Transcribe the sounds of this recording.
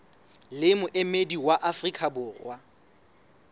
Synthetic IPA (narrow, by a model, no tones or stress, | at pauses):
lɪmʊʔɪmediwaʔafrikʰʼabʊːrwa